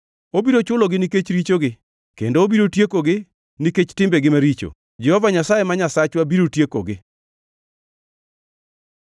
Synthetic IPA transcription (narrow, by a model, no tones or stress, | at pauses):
obiɾot͡ʃʊloɡɪniket͡ʃɾit͡ʃoɡɪ | kendoːbiɾotjekoɡɪ | niket͡ʃtɪmbeɡɪmaɾit͡ʃo̰ | d͡ʒɛhɔvaɲasajemaɲasat͡ʃwabiɾotjeko̰ɡɪ